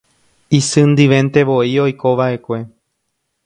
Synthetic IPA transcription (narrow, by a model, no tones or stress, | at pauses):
isɨnd̪ɨʋẽ̞nt̪e̞ʋoio̞jkoʋaʔe̞kʷe̞